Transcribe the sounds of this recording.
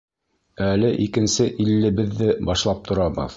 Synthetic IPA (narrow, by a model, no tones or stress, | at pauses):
ælɘʔikɘ̆nsɘʔilːɘ̆bɘ̆ðːɘbɑʃlˠɑp̚t̪ʰŏɾɑbɤ̰ð